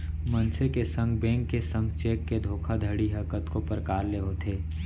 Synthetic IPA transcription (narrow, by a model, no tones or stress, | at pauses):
mənsekesə̃ŋɡbɛ̃ːŋkːesə̃ŋɡt͡ʃeːkːed̪ʱoːkʰad̪ʱəɽiɦəkət̪kopəɾkaːɾleɦot̪ʰeː